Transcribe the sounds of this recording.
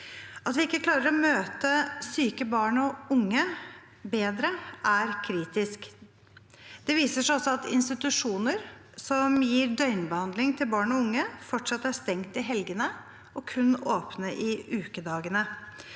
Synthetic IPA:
ɑt̪ʋɪɪkːəkʰlɑːɾəɾɔmøːt̪əsyːkəbɑːɳɔʊŋːə | beːd̪ɾəʔæɾkʰɾiːt̪ɪsk | d̪̥ɛʋiːsəʂæɔsːɔɑt̪ɪ̰nst̪ɪt̪ʉʂuːnəɾ | sɔmjiːɾɖ̪œʏnbəhɑnd̪lɪŋt̪ʰɪlbɑːɳɔʊŋːəfɔʈʂɑt̪ːæst̪ɛŋt̪ɪɦɛlɡənə | ɔkʰʉnːoːpnəʔɪʉːkəd̪ɑːɡənə

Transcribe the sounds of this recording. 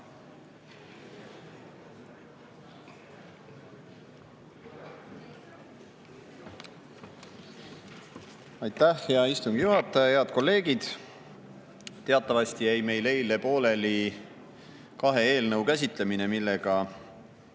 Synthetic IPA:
ɑjt̪ːæhjɑist̪umɡ̥juɦɑt̪ːˑɑjɑheɑd̪̥̚ko̞lːe̞ːɡ̥id̪̥ | t̪e̞ɑt̪ːˑɑvɑst̪ijæjme̞jle̞jlepo̞ːle̞li | kɑɦe̞eːlnɤwkæs̬ʲit̪ˑle̞mine̞milːe̞ɡ̥ɑ

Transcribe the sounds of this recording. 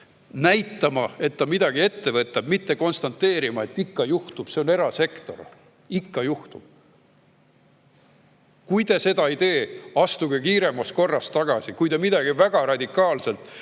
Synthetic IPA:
næjt̪ːɑmɑe̞t̪ːɑmid̪ɑɡ̥ie̞t̪ːe̞vɤt̪ːˑɑb̥mit̪ːe̞ko̞nst̪ɑnt̪ːe̞ːɾimɑe̞t̪ːikːɑjuht̪ub̥se̞o̞ne̞ɾɑse̞kt̪o̞ɾ | ikːɑjuht̪ub̥̚ | kujt̪e̞se̞d̪ɑid̪e̞ːɑst̪uɡekiːɾe̞mːɑsko̞rːɑst̪ɑɡ̥ɑsikujd̪emid̪ɑɡivæɡ̥ɑɾɑd̪ʲikːˑɑːlse̞lt̪ˑ

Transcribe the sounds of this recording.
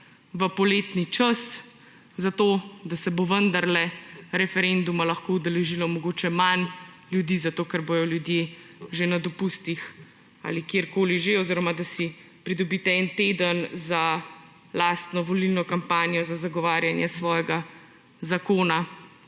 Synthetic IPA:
ʋəpɔleːt̪nit͡ʃas | zat̪od̪asɛboʋənd̪aɾlɛɾɛfɛɾɛnd̪umalɐxkoːud̪ɛlɛʒilɔmɔɡoːt͡ʃɛman | ljud̪iːzat̪oːkɛɾbojɔljud̪je | ʒenad̪ɔpust̪ix | a̰ːlikjeːɾkoːliʒeɔziɾɔmad̪asi | pɾid̪ɔbit̪ɛɛnt̪eːd̪ənza | laːst̪nɔʋɔlilnɔkampaːnijɔzazaɡɔʋaːɾjanjɛsʋɔːjɛɡa | zakoːna

